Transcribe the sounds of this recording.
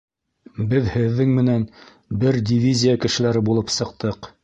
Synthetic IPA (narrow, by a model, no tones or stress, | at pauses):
bɘðhɘ̆ðːɘŋmɘ̆næn | bɘɾdʲivʲizʲijakɘ̆ʃɘ̆læɾɘbulˠɤpsɤ̆q̚t̪ɤq